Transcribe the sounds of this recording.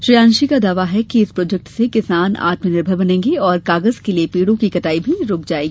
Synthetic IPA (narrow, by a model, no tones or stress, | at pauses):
ʃɾijãːnʃikad̪aːʋaɦɛkiɪspɾoːd͡ʒɛk̚ʈsekɪsaːna̰ːt̪mənɪɾbʱəɾbɐnẽːŋɡeɔːɾkaːɡəzkeliepiːɽõkikɐt̪aːibʱiɾʊːk̚d͡ʒaːeːɡiː